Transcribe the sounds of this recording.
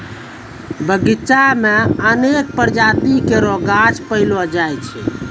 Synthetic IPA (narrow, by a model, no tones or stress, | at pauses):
bəɡit͡ʃameənek̚pəɾd͡ʒat̪ikeɾoɡat͡ʃpəɪlod͡ʒajt͡ʃʰɛ̰